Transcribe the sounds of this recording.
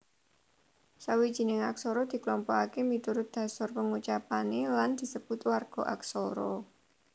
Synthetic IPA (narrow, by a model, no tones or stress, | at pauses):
sawid̥ʒ̥i̤nɪŋaksoɾɔd̪̥i̤klɔmpɔakemit̪uɾʊt̪̚d̪̥ä̤sɔrpəŋut͡ʃapaneland̪̥i̤səb̥ʊt̪warɡ̥ɔ̤ʔa̰ksoɾɔ̰